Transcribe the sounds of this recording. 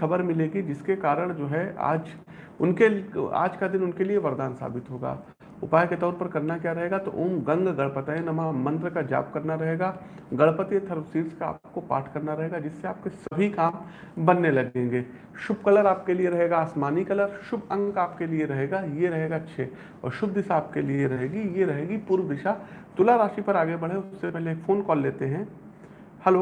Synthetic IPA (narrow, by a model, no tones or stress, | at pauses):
xɐbəɾmɪlẽːɡid͡ʒɪskekaːɾəɽ̃d͡ʒoːɦɛa̰ːd͡ʒ | ʊnkea̰ːd͡ʒkad̪ɪnʊnkelieʋɐɾd̪aːnsa̰ːbɪt̪ɦoːɡa̰ː | ʊpaːjket̪ɔːɾpɐɾkɐɾnakjaːɾɐɦeːɡat̪oʔoːmɡɐ̃ŋɡɡɐɭpət̪aẽnɐmamɐ̃nt̪ɾəkad͡ʒa̰ːp̚kɐɾnaɾɐɦeːɡaː | ɡɐɭpət̪et̪ʰɐɾʋsiːɾskaa̰ːp̚kopa̰ːʈʰkɐɾnaɾɐɦeːɡad͡ʒɪsːeaːp̚kesɐbʱikaːm | bɐnːelɐɡẽːŋɡeː | ʃʊbkɐləɾaːp̚kelieɾɐɦeːɡaːsmaːnikɐləɾʃʊbɐ̃ŋɡkaːpkelieɾɐɦeːɡajeɾɐɦeːɡatːʃʰe | ɔ̰ːɾʃʊb̚d̪ɪsaaːp̚kelieɾɐɦeːɡijeɾɐɦeːɡipuːɾwd̪ɪʃat̪ʊlaɾaːʃipɐɾaːɡebɐɽ̤ẽʊssepɛɦleːkfoːnkɔːlːeːt̪eɦɛ̃ː | hɐloː